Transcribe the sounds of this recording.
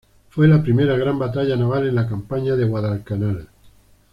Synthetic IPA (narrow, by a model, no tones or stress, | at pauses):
fwe̞lapɾime̞ɾaɣ̞ɾambat̪aʎanaβ̞ale̞nlakampaɲaðeɣwaðalkanal